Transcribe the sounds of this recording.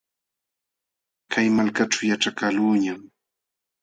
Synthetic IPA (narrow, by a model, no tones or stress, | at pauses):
kajmalkaʈ͡ʂawjaʈ͡ʂakaluːɲam